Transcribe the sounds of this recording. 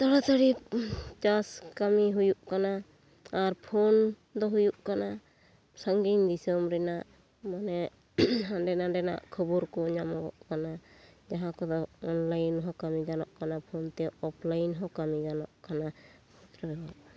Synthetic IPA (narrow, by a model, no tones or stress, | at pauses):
t̪aɽat̪ʰaɽit͡ʃaskamiɦujuʔkanaː | ɾpʰon | d̪ɔɦujuʔkana | saŋɡind̪isɔmɾɛnaʔ | manɛ | aɖɛnaɖɛna̰ʔkʰɔbɔɾkɔɲamɔɡɔ̰ʔkanad͡ʒaɦãkɔd̪ɔɔnlajnɦɔkamiɡanɔʔkanapʰɔnt̪ɛɔpʰlajnɦɔkamiɡanɔ̰ʔkanapʰɔt̪ɾɛbɛwaʔ